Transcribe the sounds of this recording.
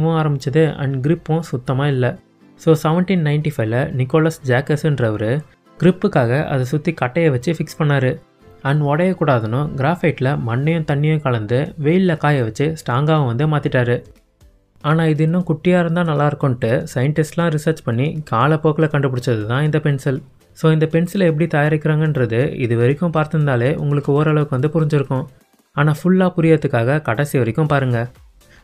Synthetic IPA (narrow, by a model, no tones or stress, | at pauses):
ʋʊ̃aːɾɐmbɪt͡ʃːɐðɯɐ̰nɡɾɪpːʊ̃sʊt̪ːɐmaːɪlːɐ | soːsɛʋɐɳʈinnɐɪɳʈifɐɪʋlɐnɪkːoːlɐsd͡ʒaːkɐsɛndrɐʋɐɾɯ | ɡɪɾɪpːɯkːaːɣɐʔɐ̰ðɐsʊt̪ːikɐʈːɐjɐʋɐt͡ʃːɯfɪkspɐɳːaːɾɯ | ɐnɔɽɐjɐkːuːɽaːðɐnʊ̃ɡɪɾaːfɐɪʈːɪlɐmɐɳːɪjʊ̃t̪ɐɳːɪjʊ̃kɐɭɐnd̪ɯʋeːjɪllɐkaːjɐʋɐt͡ʃːɯsʈaːŋɡaːʋɐ̃ʋɐnd̪ɯmaːt̪ɪʈːaːɾɯ | aːnaːɪðɯɪnːʊ̃kʊʈːɪjaːɾɯnd̪ãːnɐlːaːɪɾɯkːʊ̃nʈːɯsɐjɐɳʈɪsʈlãːɾɪsɐɾt͡ʃpɐɳːikaːlɐpːoːkːɪlɐkɐɳɖɯp̬ɐɽɯt͡ʃːɾɐðɯt̪ãːɪnd̪ɐpɛɳsɪl | soːɪnd̪ɐpɛnsɪlɛp̬ːɐɽit̪ɐːjaːɾɪkʲːɪɾaːŋɡɐnɾɐðɯɪ̰ðɯʋɐɾɪkʲːʊ̃mpaːɾt̪ɯnd̪aːleːʔʊ̰ŋɡɐɭɯkːɯoːɾɐɭɐʋɯkːɯʋɐnd̪ɯpʊɾɪɲd͡ʒɪɾɯkːʊ̃ | aːnaːfʊɭːaːpʊɾɪjɐɐt̪ːɯkːaːɣɐkɐɽɐsɪjʋɐɾɪkʲːʊ̃mpaːɾɯŋɡɐ